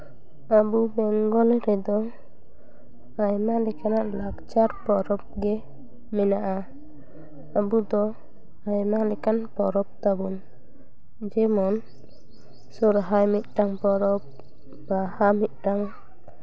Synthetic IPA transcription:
abubɛŋɡɔlɛɾɛd̪ɔ | ajmalɛkanaʔlaɡt͡ʃaɾpɔɾɔp̚ɡɛ | mɛnaʔa | abud̪ɔ | ajmalɛkanpɔɾɔp̚t̪abun | d͡ʒɛmɔn | sɔɾɦajmit̪̚ˀʈaŋpɔɾɔp | bahamit̪̚ˀʈaŋ

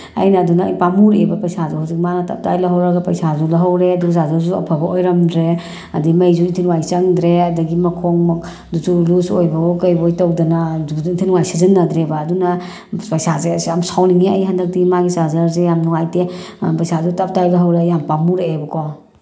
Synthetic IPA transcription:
ɐ̰jnɐːdunɐpamuɾḛbɐpɐjsazuhawzik̚manɐtɐ̰p̚tajlɐɦɐwɾaɡɐpɐjsazulɐɦɐwɾeɐduɡzazɐɾzuuɐ̰pʰɐbɐʔojɾɐmdɾe | ɐdimɐjzuintʰinwajsɐŋdɾeɐdɐɡimɐkʰɔŋmɐk | duzulusojbɐɔkɐjbojtɐwdɐnaduuintʰinuŋajsʰazɐnːɐd̪ɾebaːdunɐ | pɐjsazeamsʰawniŋiɐjɦandɐk̚tiɡimaɡizazɐɾzejamnuŋajte | pɐjsazutɐp̚tajlɐɦɐwɾejampamuɾebɐkʰɔ

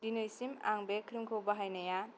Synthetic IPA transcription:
dinɯjsima̰ŋbekʰɾimkʰɯwbaɦajnaja

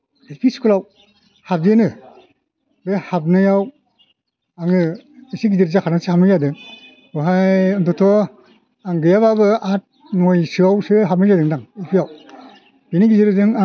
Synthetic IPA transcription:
elpʰiskʰɯlaw | hap̚zenɯ | behap̚nɯjaw | aŋɯesiɡizeɾzakʰanasɯhap̚nɯjadɯŋ | ɯɦajɯntʰɔtʰɔ | aŋɡɯjaβabɯat̚ | nojsɯawsɯɦap̚nɯzadɯŋdaŋelpʰijaw | b̥eniɡizeɾɯzɯŋa

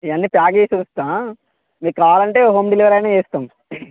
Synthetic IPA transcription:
iɐnːipjaːɡeːsunst̪aː | miːkaːlɐɳʈe̞ːoɦoːmɖiliʋɐɾɐjneːeːst̪am

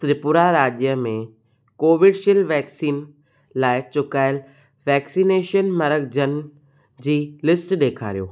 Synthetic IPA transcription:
t̪ɾɪpʊɾaɾaːʄjəmẽ | koːʋɪɖʃɪlʋɛːksiːn | laːɪt͡ɕʊkaːɪl | ʋɛːksiːneːʃənmɐɾəɡd͡ʑən̆ | d͡ʑiːlɪsʈɗeːkʰa̰ːɾijoː

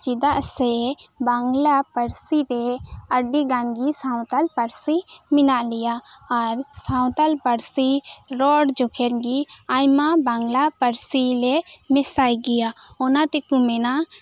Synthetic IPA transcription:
t͡ʃid̪aʔsɛ | baŋɡlapəɾsiɾɛəɖiɡanɡisaw̃t̪alpəɾsi | mɪnaʔlijaː | ɾsãw̃t̪alpəɾsiɾɔɽd͡ʒɔkʰɛɾɡi | ajmabaŋɡlapəɾsilɛ | mɛsajɡɛja | ɔnat̪ɛkumɛnaʔ

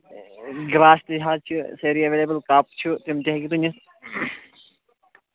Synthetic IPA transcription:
ɡɾaːsʈ̪iɦaːt͡ʃʰuseɾiɐʋeːlebəlkaːp̚t͡ʃʰut̪imt̪iɦɐɡit̪unis

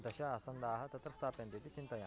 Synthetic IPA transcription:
d̪ɐʃɐɐsɐnd̪aːɦɐt̪ɐt̪ɾɐst̪ʰaːpent̪it̪it͡ʃint̪ɐja

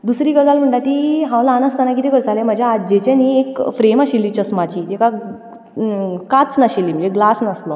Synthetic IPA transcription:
d̪usɾiːɡəd͡zalm̤əɳʈat̪iɦãwlaːnəst̪anak̬it̪ikəɾt͡salẽm̤əd͡ʑʱjaːd͡ʑet͡ɕẽniekfɾemaɕilːit͡ɕəsmat͡ɕiːt̪eka | kat͡snaɕelːiməd͡ʑeɡlasnaslɔ

